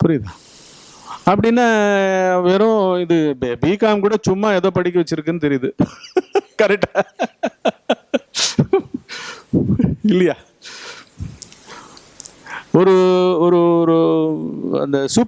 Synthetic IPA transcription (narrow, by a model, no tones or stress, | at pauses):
pʊɾɪðãː | ɐpːɐɽɪnːaːʋeːɾõɪðɯbiːkaːmkuːɽɐt͡ʃʊmːaɛðoːpɐɽɪk̬ʲːɯʋɐt͡ʃːɪɾɯkːɯnːɯt̪ɛɾɪjðɯ | kɐɾɛk̚ʈːa | ɪlːɐjaː | ɔɾɯɔɾɯɔɾɯ | ɐ̰nd̪ɐsʊp